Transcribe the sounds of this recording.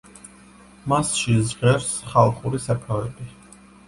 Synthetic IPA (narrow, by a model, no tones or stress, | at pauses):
masʃizʁɛɾsχalˠχuɾisɛpʰavɛbi